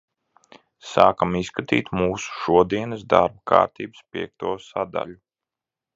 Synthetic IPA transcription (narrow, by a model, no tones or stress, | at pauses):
saːkamiskat̪ḭːt̪muːsu̥ʃuɔd̪iɛnəsd̪a̰ɾb̚ka̰ːɾt̪iːbɨspʲiɛk̚t̪uɔsad̪a̰lʲu